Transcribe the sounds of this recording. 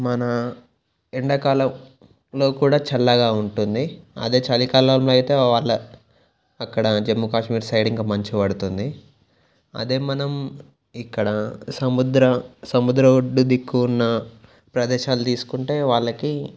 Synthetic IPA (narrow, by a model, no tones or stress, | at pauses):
mɐnɐ | iɳɖɐkaːlɐm | lo̞ːkuːɽaːt͡ʃɛlːɐɡaːuɳʈund̪iɐ̰d̪e̞ːt͡ʃɐlikaːlaːmloːɐjt̪e̞ːʋaːɭːɐ | ɐkːɐɽɐd͡ʒemːukaːʂmiːɾsɐjɖiŋkaːmɐɲt͡ʃiʋɐɽut̪und̪i | ɐ̰d̪e̞ːmɐnɐm | ikːɐɽɐsɐmud̪ɾɐsɐmud̪ɾɐuɖːud̪ikːuːnːɐ | pɾɐd̪ɛːʃaːlut̪iːsu̥kuɳʈe̞ːʋaːɭːɐki